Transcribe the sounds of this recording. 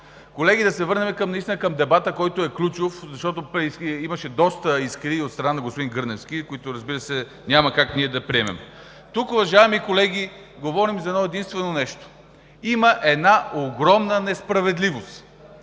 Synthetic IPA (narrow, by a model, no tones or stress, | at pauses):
kolɛɡ̟ʲid̪ɐsɛvɤɾnɛmɛkəmnist̪inəkəmd̪ɛbat̪əkɔjt̪oɛklʲut͡ʃofzɐʃt̪ɔt̪opɾɛsiməʃɛd̪ɔst̪əiskɾiot̪st̪ɾɐnanɐɡospʊd̪inɡɤɾnɛfsk̟ikoit̪ʊɾɐzbiɾəsɛ | nʲamɐkakniɛd̪ɐpɾʲiɛmɛ̰m | t̪ukʊvɐʒaɛmikolɛɡ̟ʲi | ɡovɔɾimzɐɛnɔɛd̪inst̪vɛnonɛʃt̪o̥ | iməʔɛd̪naoɡɾɔmnənɛspɾɐvɛd̪livost̪